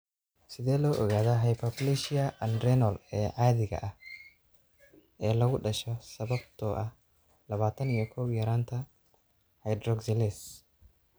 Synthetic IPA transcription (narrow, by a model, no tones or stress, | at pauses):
sɪðɛːlɔːʔɔɣaːðɐɦɐjpʰɐplɛʃɪɐʔɐnɾɛnɔlɛːʕaːðɪɣɐ̰ʔɐh | ʔɛːlɐɣʊɖɐʃɔsɐβɐbt̪ʰɔːʔɐh | lɐβaːt̪ʰɐnijɔkʰɔwjɐɾaːnt̪ʰɐ | hɐjd̪rɔɡsɛlɛs